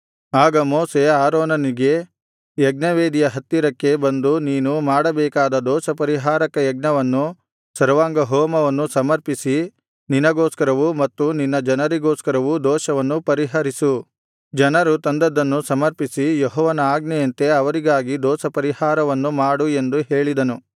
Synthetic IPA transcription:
aːɡɐmoːse̞aːɾoːnɐniɡe̞ | jɐɡnɐʋeːd̪ijɐɦɐt̪ːiɾɐkːe̞bɐnd̪uniːnumaːɽɐbɛːkaːd̪ɐd̪ɔːʃɐpɐɾiɦaːɾɐkɐjɐɡ̚nɐʋɐnːu | sɐɾʋaːŋɡɐɦoːmɐʋɐnːusɐmɐɾpisi | ninɐɡoːskɐɾɐʋumɐt̪ːuninːɐd͡ʒɐnɐɾiɡoːskɐɾɐʋud̪ɔːʃɐʋɐnːupɐɾiɦɐɾisu | d͡ʒɐnɐɾut̪ɐnd̪ɐd̪ɐnːusɐmɐɾpisijɔɦɔːʋɐnɐaːɡnɛjɐnt̪e̞ɐʋɐɾiɡaːɡid̪ɔːsɐpɐɾihaːɾɐʋɐnːumaːɽue̞nd̪uɦe̞ːɭid̪ɐnu

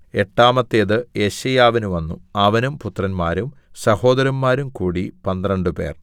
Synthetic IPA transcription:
e̞ʈːaːmɐt̪ːeðɨeɕɐjaːʋinuʋɐnːuɐʋɐnumput̪rɐnmaːɾum | sɐho̞ːd̪ɐɾɐmːaːɾumkuːɽipɐnd̪rɐɳɖɨpe̞̰ːr

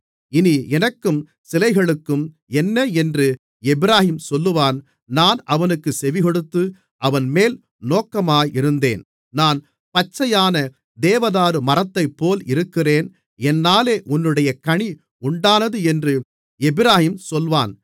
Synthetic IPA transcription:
ɪniɛnɐkːɯm | sɪlɐɪɣɐɭɯkːɯm | ɛnːeɛndrɯ | ɛbɪɾaːhiːmsɔlːɯʋaːn | naːnɐʋɐnɯkːɯsɛʋɪɣɔɽɯt̪ːɯ | ʔɐʋɐnmeːl | noːkːɐmaːjɪɾɯnd̪eːn | naːn | pɐt͡ʃːɐjaːnɐ | d̪eːʋɐðaːɾɯmɐrɐt̪ːɐɪpːoːlɪɾɯkːɪreːn | ɛnːaːleːʔʊnːɯɽɐjɐkɐɳi | ʊɳɖaːnɐðɯɛndrɯ | ɛbɪɾaːhiːmsɔlʋaːn

